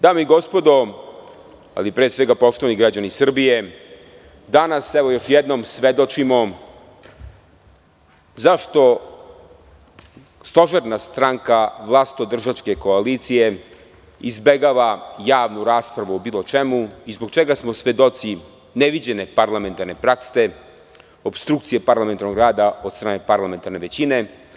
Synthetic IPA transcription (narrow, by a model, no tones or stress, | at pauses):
d̪aːmeiɡo̞spo̞d̪o̞ | a̰lipɾesʋeɡapo̞ʃt̪o̞ʋaniɡɾad͡ʑanisr̩bije̞ | d̪anasɛʋo̞jo̞ʃjɛd̪nomsʋed̪o̞t͡ʃimo | zaʃt̪o̞ | st̪o̞ʒeɾnast̪ɾaŋkaʋlˠaːst̪od̪r̩ʒat͡ʃke̞koalit̪sije̞ | izbeɡaʋajaːʋnuɾaːspɾaʋuobiːlˠo̞t͡ʃemuizbo̞ɡt͡ʃeɡasmosʋe̞d̪o̞t̪si | neʋid͡ʑene̞paɾlˠame̞nt̪aɾne̞pɾakse̞ | opst̪ɾuk̚t̪sijepaɾlament̪aɾnoɡɾaːd̪ao̞d̪st̪ɾaːne̞paɾlˠame̞nt̪aɾne̞ʋe̞t͡ɕine̞